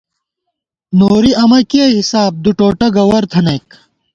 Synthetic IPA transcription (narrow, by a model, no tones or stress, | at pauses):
noːɾiɐmɐkiɐɦisaːb̚d̪uʈoːʈɐɡɐwɐɾt̪ʰɐnɐjk